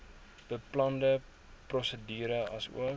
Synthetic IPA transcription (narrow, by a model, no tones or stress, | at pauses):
b̥əplɐndə | prɔsədiːɾəɐsṵə